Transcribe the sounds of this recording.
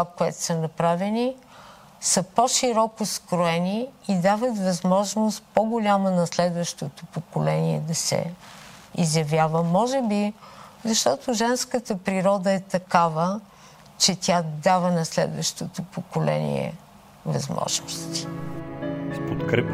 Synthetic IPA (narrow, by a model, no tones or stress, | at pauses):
akoɛt̪o̥sənɐpɾavɛni | səpoʃiɾɔkoskɾoɛniid̪avət̪vɐzmɔʒnost̪̚poɡolʲamənɐslɛd̪vəʃt̪ot̪opokolɛniɛ̰d̪ɐsɛ̰ | izjɐvjavəmɔʒɛbizɐʃt̪ɔt̪oʒɛnskət̪əpɾiɾɔd̪əɛt̪ɐkavə | t͡ʃɛt̪ʲjad̪avənɐslɛ̰d̪vəʃt̪ot̪opokolɛ̰nḭɛ̰ | vɐ̰zmɔ̰ʒnost̪i̥ | spot̪kɾɛp